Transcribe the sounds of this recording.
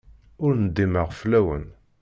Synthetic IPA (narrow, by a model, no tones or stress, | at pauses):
ʊɾnəd̪ːiməʁflæwə̰n